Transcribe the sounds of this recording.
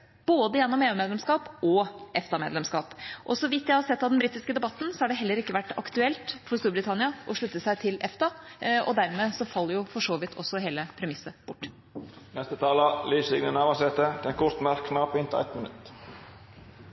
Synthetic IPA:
b̥oːd̪əjɛnːɔmeːʉːmeːd̪lɛmskɑːpʔɔʔɛft̪ɑmeːd̪lɛmskɑːpʔɔsɔʋɪt̪ːjæɪhɑɾsɛt̪ːɑʋd̪ɛnbɾiːt̪ːɪskəd̪ɛbɑt̪ːn̩sɔhɑɖɛɦɛlːəɾɪkːəʋæʈːɑ̰kt̪ʉɛlt̪fɔɾst̪uːɾbɾɪt̪ʰɑnɪɑʔɔʂɭʉt̪ːəsæɪt̪ʰɪlʔɛft̪ɑɔ̰d̪æɾmeːsɔfɑlːəɾjʊfɔʂoːʋɪt̪ʰːɔ̰sːɔɦeːləpʰɾɛmɪsːəb̥ʊʈː | nɛst̪ət̪ʰɑːlɑlyːsɪɡnənɑʋɑsɛt̪əd̪ʰɛnkʰʊɾt̪mæɾkʰːnɑːpɪnt̪ʰɛ̰t̪mɪnʉ̰t̪

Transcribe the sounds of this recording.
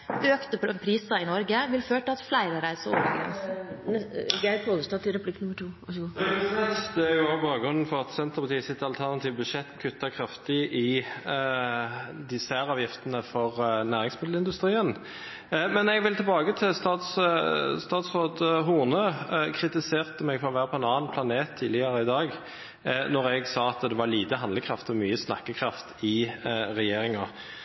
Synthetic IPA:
øːkt̪əpʰɾiːsəɪnɔɾɡəʋɪlføːʈɪlɑt̪flæɪɾəɾæɪsəɔ̰bəɡɾɛ̰ns | ɡæɪpʰoːd̪əst̪ɑt̪ːɪɾɛpʰlɪkːnʉmːəʈʰuːɑɛt̪d̪ɛæɾjʊɑːbɑːɡɾʁʉnːn̩fɔɾɑt̪sɛnt̪əpʰɑt̪ʰiːəsɪt̪ːɑlt̪ʰæʁnɑt̪ʰiːʋəbʉʃɛt̪ːkʰʉt̪ːəkʰʁɑft̪ɪʔɪ | d̪ɪsæɾɑːʋjɪft̪ənəfɔʁnæːʁɪŋsmɪd̪l̩ɪnd̪ʉst̪ɾiːən | mɛnɛɡʋɪlt̪ʰɪlbɑːɡət̪ʰɪlst̪ɑːt̪sst̪ɑːt̪sʁoːd̪ɦuʁnøkʰɾɪt̪ɪseːʁt̪əmɛɡfɔʁɔʋæːʁəpʰɔɛnɑːɑnpʰlɑneːt̪ʰːiːd̪lɪəʁəɪd̪ɑːɡ | nɔʁɛɡsɑːɑt̪d̪ɛʋɑliːt̪əɦɑnləkʰʁɑft̪ɔmyːəsnɑ̰kːəkʰʁɑft̪ɪʁɛjeːɾɪŋɑ

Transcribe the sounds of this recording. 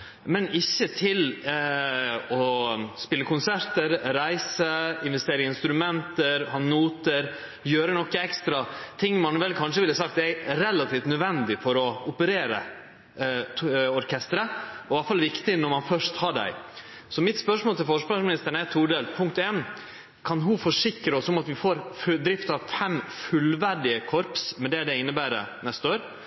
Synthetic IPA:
mɛnɪçːət̪ʰɪl | ɔspɪlːəkʰʊnsæɾt̪əɾɾæɪsəɪnʋɛst̪eːɾɪŋəɪnst̪ɾʉmɛnt̪əɾhɑːnuːt̪əɾ | jøːɾənɔkːəɛkst̪ɾɑt̪ʰɪŋːmɑnʋɛlkʰɑnʂəʋɪlːəsɑk̚t̪ɛæɾɛlɑt̪ʰiːft̪nœd̪ʋɛnd̪ɪfɔɾɔʊpəɾeːɾə̰ | ɔɾkʰɛst̪əɾəɔɑlfɑlʋɪkt̪ɪnɔɾmɑnfœʂt̪hɑɖæ̰ɪ | sɔmɪt̪spœʂmoːlt̪ɪlfɔʂpɑʂmɪnɪst̪əɳ̩əɛt̪ʰuːɖeːlpʰʊŋkt̪eːn | kʰɑnɦʊfɔʂɪkɾəɔsɔmɑt̪ʋɪfoːɾfd̪ɾɪft̪ɑʋfɛmfʉlʋæɖɪəkʰɔɾpsmɛd̪ɛd̪ɛɪnːəbæːɾə̰nɛst̪əoːɾ

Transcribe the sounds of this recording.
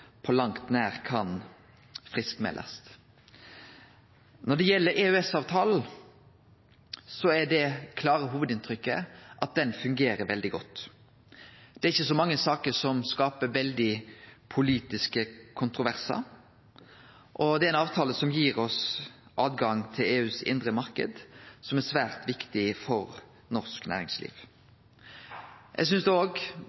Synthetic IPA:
pʰɔlɑŋt̪næːɾkʰɑn | fʁɪskmɛ̰lʔɑ̰st̪ | nɔɖɛjɛlːəɾɛʉɛsɑːʋt̪ʰɑːln̩ | sɔæɖɛkʰlɑːɾəɦuːʋəd̪ɪnt̪ʰɾʏkːə̰ʔɑt̪̚d̪ɛnfʉŋɡeːɾəɾʋɛld̪ɪɡɔt̪ː | d̪̥ɛæɾɪçːəsɔmɑŋːəsɑːkəɾsɔmskɑːpəʋɛld̪ɪpʰʊliːt̪ɪskəkʰʊnt̪ɾʊʋæʁsɑ̰ | ʔɔd̪ɛæɾæɪnɑːʋt̪ʰɑːləsɔmjiːɾɔsʔɑːʋɡɑŋt̪ʰɪleːʉːsɪ̰nd̪ɾəmɑɾkə̰d̪sɔmæsʋæːɾt̪ʋɪkt̪ɪfɔɾ | nɔʁsknæ̰ːɾɪ̰ŋslḭːʋ | jʔɛ̰ɡs̬ʏnsd̪ɛoːɡ

